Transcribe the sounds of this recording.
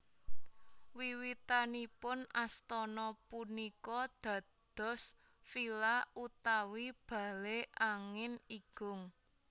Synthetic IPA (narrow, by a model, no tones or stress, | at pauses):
wiwit̪anipʊnast̪ɔnɔpunikɔd̪̥ä̤ | d̪̥ɔ̤s | filaut̪awib̥a̤leʔaŋɪniɡ̥ʊ̤ŋ